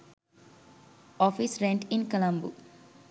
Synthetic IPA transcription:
ɔfisɾẽɳʈĩnkəlãmbu

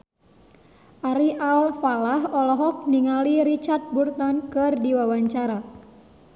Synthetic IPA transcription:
ʔaɾiʔalfalahɔlɔɦɔk̚niŋaliɾit͡ʃart̪̚burt̪ɔnkɨrdiwawaɲt͡ʃaɾa

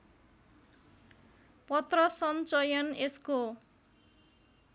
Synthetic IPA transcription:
pʌt̪rʌsʌnt͡sʌjʌnesko

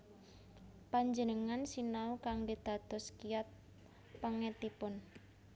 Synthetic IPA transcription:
paɲd͡ʒənəŋansinaukaŋdid̪̥a̤t̪ɔskijat̪̚ | pəŋɛt̪ipʊn

